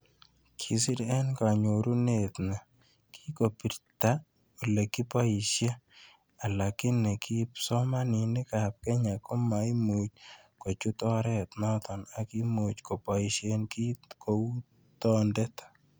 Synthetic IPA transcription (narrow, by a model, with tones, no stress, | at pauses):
kʰi˨sɪ˦ɾɛ˦nka˨ɲo˨ɾu˦ne˨t̪na˨ | kʰi̥˦ko˨pi˨ɾt̪a˦ | o˨le˨ki˦pa˦i˨ʃje˦ | a˨la˨kɪ˦ne˨ki˦psɔ˦ma˦nɪ˨nɪ˦ka˨p̚kɛ˦ɲa˨kɔ˦ma˨i˦mu˨t͡ʃ | ko˨t͡ʃu˦t̪ɔ˦ɾɛ˦t̪nɔ˦t̪ɔ˨na˨ki˦mu˨t͡ʃko˨pa˨i˨ʃenki˦ko˨u˦ | t̪ɔ˦ndɛ˦t̪ḁ˨